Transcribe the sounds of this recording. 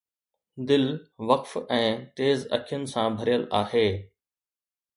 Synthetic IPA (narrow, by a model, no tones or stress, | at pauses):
d̪ɪlʋɐkfɛ̃ːt̪eːzɐ̰kʰijənɪ̆sãbʱɐɾjəlaːheː